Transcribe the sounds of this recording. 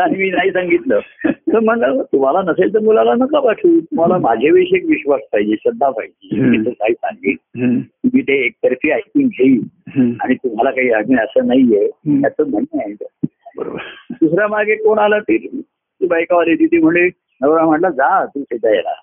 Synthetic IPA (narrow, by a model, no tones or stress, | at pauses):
aɽ̃imiːnaɦiːsaŋɡit̪lət̪əɾm̤əɳlət̪um̤alanəset̪əɾmulalanəkaʋaʈʰiːt̪um̤alamad͡ʑʱeʋeɕekʋiɕʋaspaɦid͡ʑeɕəd̪ʱːapa̰id͡ʑemiːt̪əkaɦiːsa̰ŋɡḭːt̪t̪um̤iːt̪eːk̚t̪əɾfiːajk̪iŋɡʱeiːa̰ɽ̃it̪um̤alakaɦiːaɡiːnəsəːnaijet̪at͡səm̤əɳeait̪əbəɾo̰bd̪usɾjamaɡʱekoɳ̃alat̪iːɾ | t̪iːbajkaʋaɾet̪iːt̪iːm̤əɳd͡ʑe | nəʋɾam̤əɳlad͡zat̪uːset̪ajḛla̰